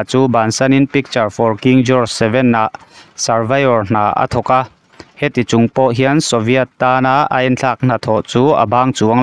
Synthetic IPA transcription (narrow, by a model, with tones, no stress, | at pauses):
t͡suː˦baː˨nsɐ˦ni˥npi˦k̚t͡ʃɐ˨rfɔ˨rki˧ŋd͡ʒɔ˦rsɛ˧vɛ˦˨nːa˨ʔsɐ˨rva˦jɔ˨rn̥aː˨ʔə̰˨˦t̪ʰɔ˨ka˧ | hɛ˦t̪i˨t͡sʊ˨ŋpɔ˦ʔɦi˦ənsɔ˨vi˦ɐ˧t̪ːaː˦na˧˨a̰˧˨jɛ˦nt͡ɬʰa˧˩k̚n̥a˨t̪ʰɔ˨ʔt͡suː˦ə̰˨baː˦ŋt͡su˨əŋ